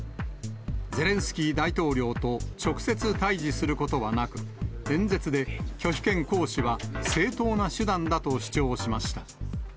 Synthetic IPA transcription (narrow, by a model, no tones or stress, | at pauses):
d͡ze̞ɾẽ̞ɰ̃sɨ̥kʲiːd̪ait̪o̞ːɾʲo̞ːt̪o̞t͡ɕo̞kɯ̟̥se̞t͡sɨt̪aiʑisɨɾɯ̟ko̞t̪o̞βanakɯ̟̥ẽ̞nd͡ze̞t͡sɨd̪e̞kʲo̞ɕʲi̥kẽ̞ŋko̞ːɕiβase̞ːt̪o̞ːnaɕɨd̪ãnd̪at̪o̞ɕi̥t͡ɕo̞ːɕimaɕi̥t̪ḁ